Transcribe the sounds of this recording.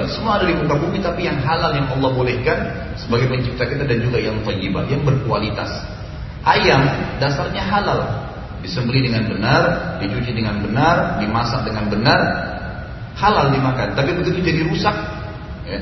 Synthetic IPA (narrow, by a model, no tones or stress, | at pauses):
səmuadaɾikut̪abuɡit̪apijaŋɦalaljaŋʔɑlˠːɑhbolɛhkan | səbaɡajpəɲt͡ʃip̚t̪akit̪adand͡ʒuɡajaŋt̪ɔjːəba̰jaŋbərkualit̪a̰s | ʔajamdasarɲaɦalal | disəmbəlidəŋanbənardit͡ʃut͡ʃidəŋanbənardimasak̚dəŋanbənar | halaldimakant̪apibət̪ut̪ud͡ʒadiɾusak̚ | ja